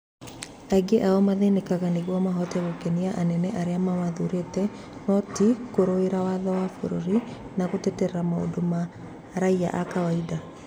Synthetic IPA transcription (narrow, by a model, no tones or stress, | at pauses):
aiɡeʔaɔmaðenekaɣaneɣwɔmaɦɔtɛɣokɛniaʔanɛnɛʔaɾeamamaðuɾetɛ | nɔtikoɾoeɾawaðɔwafo̰ɾoɾi | naɣotɛtɛɾɛɾamao̰doma | ɾaia̰ʔakawaida